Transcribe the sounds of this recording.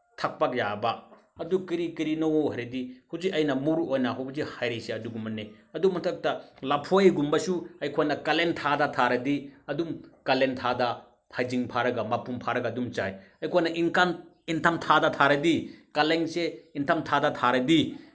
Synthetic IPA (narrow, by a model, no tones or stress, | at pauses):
tʰɐk̚pak̚jabɐ | ɐdukiɾikiɾinoɦaɾedihuzikɐjnɐmuɾuojnɐɦawbzihajɾiseɐduɡumɐnːe | ɐdumɐtʰɐk̚tɐlɐpʰojɡumbɐsuɐjkʰojnɐkɐlentʰadɐtʰaɾɐdiɐdumkɐlentʰadɐ | hʰajziŋpʰaɾɐɡɐmɐpumpʰaɾɐɡɐdumt͡ʃajɐjkʰojnɐʔiŋkan | intʰɐmtʰadɐtʰaɾɐdikɐleŋseintʰɐmtʰadɐtʰaɾɐdi